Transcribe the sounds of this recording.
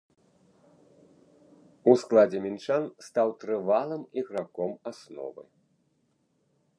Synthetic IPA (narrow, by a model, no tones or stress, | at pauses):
usklˠad͡zʲɛmʲint͡ʂanst̪awt̪ɾɨvalˠɐmiɣɾakɔmasnɔ̰vɨ̰